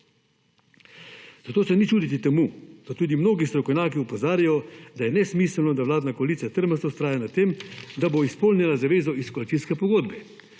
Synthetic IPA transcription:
z̥ɐt̪oːsɛnit͡ʃuːd̪it̪it̪ɛmud̪̥at̪uːd̪imnoːɡist̪ɾɔkɔwnʲjaːkiɔpɔzaːɾjajɔd̪ajɛnɛsmiːsəlnɔd̪aʋlaːd̪nakɔɐlit̪sat̪əɾmɛəst̪ɔst̪ɾaːjanat̪emd̪aboispɔlnʲjɛlazaʋeːzɔiskɔlit̪inskɛpɔɡoːd̪bɛ

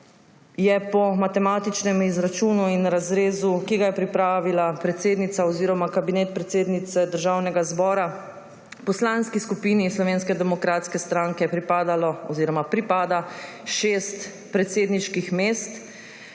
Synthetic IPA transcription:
jɛpɔmat̪ɛmaːt̪it͡ʃnɛmizɾat͡ʃuːnuinɾazɾeːzukiɡajɛpɾipɾaːʋilapɾɛt̪seːd̪nit̪saɔziːɾɔmakabinɛːt̪̚pɾɛt̪seːd̪nit̪sɛd̪əɾʒawnɛɡazbɔːɾa | pɔslanskiskupiːnislɔʋeːnskɛd̪ɛmɔkɾaːt̪skɛst̪ɾaːŋkɛpɾipaːd̪alɔɔziːɾɔmapɾipaːd̪a | ʃest̪ | pɾɛt̪seːd̪niʃkixmeːst̪

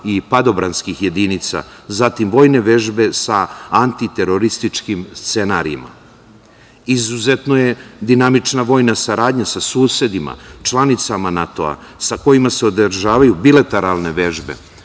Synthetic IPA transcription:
ipad̪o̞bɾanskixje̞d̪init̪sa̰zat̪imʋo̞ːjne̞ʋe̞ʒbe̞saant̪it̪e̞ɾo̞ɾist̪it͡ʃkimst̪se̞naɾiima̰ | izuzet̪no̞je̞d̪inamit͡ʃnaʋo̞ːjnasaɾaːd̪ɲasasuːse̞d̪ima̰t͡ʃlˠanit̪samanat̪o̞̰a̰ | sako̞jimase̞o̞d̪ɾʒaːʋajubilat̪eɾalˠne̞ʋe̞ʒbe̞̰

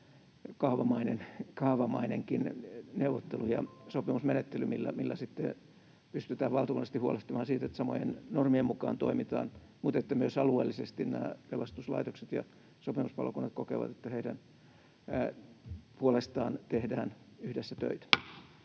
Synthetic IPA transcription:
kɑhʋɑmɑinenkɑːʋɑmɑ̰ineŋkinneuʋːˑot̪ːelujɑ̰sopimusmenet̪ːelymilːæ̰milːæsit̪ːḛ | pyst̪yt̪æːʋʋɑlt̪ɑkunːst̪ihuoleht̪ɑmɑːnsiːt̪et̪sɑmo̰jḛnnormiemukɑ̰ːnt̪o̰imit̪ɑ̰ːn | mut̪et̪ːæmyøsɑlueːlːisest̪innæːpelɑst̪uslɑ̰it̪okset̪jɑ̰ | sopimuspɑ̰lokunːɑt̪kokḛʋɑ̰t̪et̪ːæheidæn | puolest̪ɑːnt̪ehdæːnyhdesːæt̪ø̰it̪æ̥

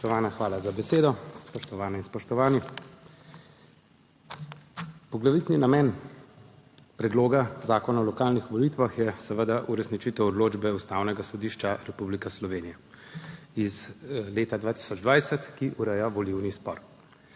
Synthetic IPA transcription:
ɔt̪ɔʋaːnaxʋaːlazabɛseːd̪ɔspɔʃt̪ɔʋaːnɛinspɔʃt̪ɔʋaːni | pɔɡlaʋit̪ninamɛːn | pɾɛd̪loːɡazaːkɔnaɔlɔkaːlnixʋɔlit̪ʋaxjɛsəʋəd̪aʔuɾɛsnit͡ʃit̪ɛwɔd̪loːd͡ʒbɛust̪awnɛɡasɔd̪iːʃt͡ʃaɾɛpublikaslɔʋeːnijɛ | izleːt̪ad̪ʋaːt̪i̥sɔd͡ʒd̪ʋaːjsət̪kiʔuɾɛjaʋɔliwnispɔ̰ɾ

